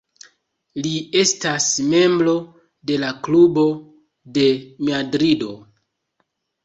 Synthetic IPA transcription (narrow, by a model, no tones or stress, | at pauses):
lie̞stasme̞mbɾo̞ | de̞laklubo̞ | de̞madɾido̞